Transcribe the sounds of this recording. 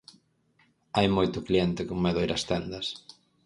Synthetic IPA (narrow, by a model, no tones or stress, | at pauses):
ajmojt̪ʊkliɛnt̪ɪkʊŋmeðoʊejɾɐst̪ɛnd̪ɐs